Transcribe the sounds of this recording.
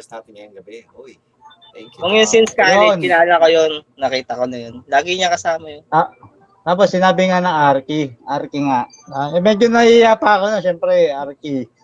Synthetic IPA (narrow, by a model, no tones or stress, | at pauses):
ɐsnaːt̪ɪnŋɐjʊŋɡɐbe | oj | t̪ɛŋkjkʊŋjʊnsɪnskajɛnpɪnaːlakojonːɐkiːt̪ɐko̞nɐjonlaːɡɪɲakɐsaːmɐjona | t̪aːp̬osːɪnaːbɪŋanɐŋaɾkiʔaɾkɪŋaʔ | aɛmɛd͡ʒonɐʔijapɐɐko̞noʃɛmpɾɛʔaɾki